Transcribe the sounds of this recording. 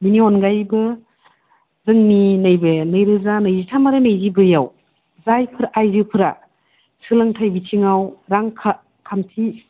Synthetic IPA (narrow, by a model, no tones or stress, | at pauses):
miniɔnɡajbɯ | zɯŋninɯjbenɯjɾɯzanɯjzitʰamaɾɯnɯjzibɯjaw | zajpʰɯɾaʔajzɯpʰɯɾa̰ | sɯlɯŋtʰajbitʰiŋawɾaŋkʰa | kʰamtʰi